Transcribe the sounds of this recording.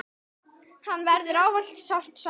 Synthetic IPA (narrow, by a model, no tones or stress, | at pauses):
hanːvɛɾðʏɾaːwval̥t̪sawr̥t̪s